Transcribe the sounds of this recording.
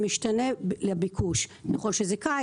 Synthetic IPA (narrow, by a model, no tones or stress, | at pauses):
miʃtaneblebikʰuʃnja̰χolʃezeka